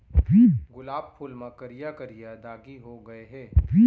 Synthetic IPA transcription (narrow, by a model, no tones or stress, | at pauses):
ʋiːɡʊlaːbpʰʊlmãkɐɾijakɐɾijad̪aːɡiɦoɡɐeɦɛːʋiː